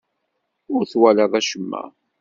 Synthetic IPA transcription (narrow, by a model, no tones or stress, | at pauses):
ʊɾθwæləðˤæʃəmːæ̰